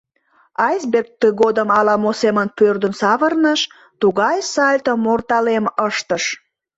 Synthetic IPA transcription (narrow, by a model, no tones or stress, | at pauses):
ɑjsberkt̪ːəɣod̪əmɑlɑmosemənpørd̪ənsɑβərnəʃ | t̪uɣɑjsɑlʲt̪əmort̪ɑleməʃt̪əʃ